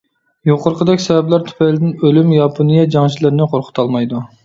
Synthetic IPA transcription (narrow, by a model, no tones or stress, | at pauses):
joqʰʊɾqʰəd̪ɛkʲsɛvɛblˠɑɾt̪ʰy̥pɛlɪd̪ɪnølymjɑpʰonijɛd͡ʒɑŋt͡ʃʰilˠɪɾnɪqʰoɾqʰʊ̥t̪ʰɑlˠmɑjd̪u